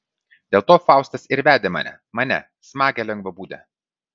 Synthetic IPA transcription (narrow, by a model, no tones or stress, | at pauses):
d̪ʲeːlˠt̪oːfɑˑʊst̪ɐsɪɾʋʲæːd̪ʲeːmɐ̰nʲɛ̰ | mɐnʲɛ̰ | smɑːɡʲɛlʲɛŋɡʋɐbuːd̪ʲɛ̰